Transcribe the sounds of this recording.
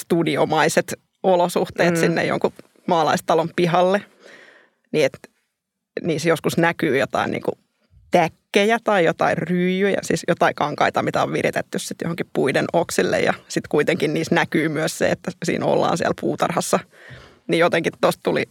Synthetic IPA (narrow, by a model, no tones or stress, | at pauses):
st̪udiomɑiset̪ | olosuht̪eːt̪sinːḛjo̰ŋku | mɑːlɑist̪ɑlompihɑlːe | niet̪ | niːsjoskusnækyːjot̪ɑ̰inḭːŋkṵ | t̪ækːejæt̪ɑijot̪ɑirryːjyjɑ̰sḭːsjot̪ɑikɑŋkɑit̪ɑmit̪æo̰ʋʋirḭt̪et̪ːyssit̪jo̰hoŋkippuidenoksilːḛjjɑ̰sit̪kuit̪eŋkinniːsnækyːmyøssḛḛt̪ːæsḭːno̰lːɑ̰ːnsiælpuːt̪ɑ̰rhɑsːɑ | nijot̪eŋkit̪t̪ost̪t̪ulḭ